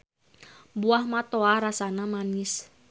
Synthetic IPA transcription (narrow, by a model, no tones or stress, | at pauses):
buahmat̪oaɾasanamanɪs